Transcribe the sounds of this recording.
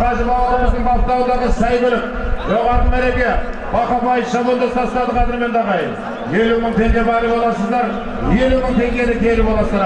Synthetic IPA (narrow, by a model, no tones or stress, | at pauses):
qɑzəɾbɑlˠɑɾəməzd̪əɴb̪ɑpt̪ɑwnd̪ɑʁəsɑjbʏlɪk̚ | ʒoʁɑɾt̪əmæɾe̞bɡʲe | bɑqɑbɑjəfʃɑbold̪ost̪ɑst̪ɑd̪əqʰɑd̪ɪɾme̞nd̪ɑʁɑjə | jeluməɴt̪ʰe̞ŋɡʲe̞bæɾlˠəbolˠɑsəzd̪ɑɾ | je̞luməɴt̪ʰe̞ŋɡʲe̞d̪ɪk̪ʲʰeɾbolˠɑsəzɑ